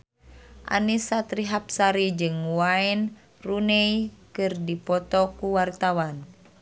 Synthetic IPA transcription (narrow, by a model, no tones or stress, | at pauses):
ʔa̰nisat̪ɾiɦap̚saɾid͡ʒɨŋwaɛn | runɛikɨrdipɔt̪ɔkuwart̪awan